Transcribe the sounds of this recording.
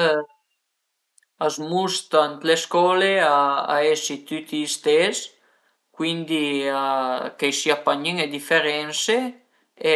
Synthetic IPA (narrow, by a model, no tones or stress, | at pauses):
azmust̪ant̪leskɔːleaa̰esit̪yt̪ʰist̪es | kwind̪iakejsiapaɲiŋed̪ifeɾɛnse | e